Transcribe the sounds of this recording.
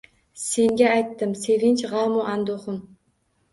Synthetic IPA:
se̞ŋɡʲaːjt̪ːɪmse̞vɪnt͡ʃʁɑmʊʔand̪oχʊm

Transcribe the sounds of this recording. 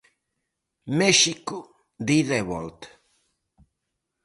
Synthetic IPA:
meʃiku | d̪iðeβɔlt̪

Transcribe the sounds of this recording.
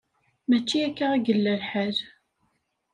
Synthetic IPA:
mæt͡ʃːiækːaæɡəlːælħəl

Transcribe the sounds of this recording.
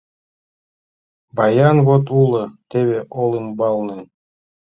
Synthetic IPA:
bɑjɑnβot̪ulˠɤ̆t̪eβʲeʔolˠɨmbɑlˠnɤn

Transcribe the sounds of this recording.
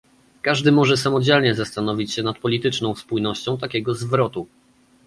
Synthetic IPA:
kaʐd̪ɘmɔʐɛsamɔd͡ʑɛlɲɛzast̪anɔvʲit͡ɕɕɛnat̪̚pɔlʲit̪ɘt͡ʂnɔ̃w̃spujnɔɕt͡ɕɔ̃w̃t̪akʲɛɡɔzvɾɔt̪u

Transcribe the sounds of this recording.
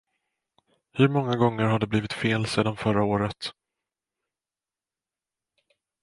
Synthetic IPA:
hɵɾmɔŋːaɡɔŋːəɾhad̪ɛbliːvɪt̪feːlseːd̪anfœɾaoːɾət̪

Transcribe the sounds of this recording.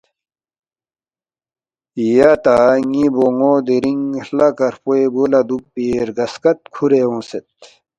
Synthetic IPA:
ijat̪aŋiboŋoːd̪eɾiŋlakɐɾpoeboːlad̪uk̚peɾɡɐskɐt̪̚kʰuɾeõːset̪̚

